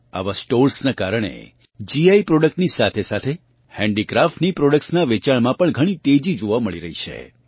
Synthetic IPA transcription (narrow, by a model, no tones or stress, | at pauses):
a̰ʋasʈoɾsnakaɾəɽ̃ḛ | d͡ʒiaipɾɔɖək̚ʈnisat̪ʰesat̪ʰe | hɛ̃ɳɖikɾafʈnipɾɔɖək̚ʈsnaʋet͡ʃaɭmãpəɳɡʱəɽ̃it̪ed͡ʒid͡ʒoʋaməɭiɾəɦit͡ʃʰḛ